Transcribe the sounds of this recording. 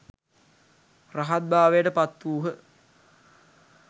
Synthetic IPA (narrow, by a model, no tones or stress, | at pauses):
raɦat̪̚baːʋejəʈəpat̪ːuːɦə